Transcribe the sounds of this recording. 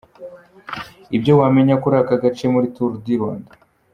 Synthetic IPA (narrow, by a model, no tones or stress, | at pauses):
ibjo̞waːme̞ɲakuɾakaɡat͡ʃemuɾituɾudiɾwa̰ːnda